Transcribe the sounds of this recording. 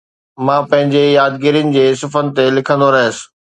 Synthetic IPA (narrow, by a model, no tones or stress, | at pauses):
mãːpɐ̃ɦɪ̃ɲd͡ʑejaːd̪ɡɪɾijənɪ̆d͡ʑeːsɪfənɪ̆t̪elɪkʰə̃nd̪oɾɐɦəsɪ̥̆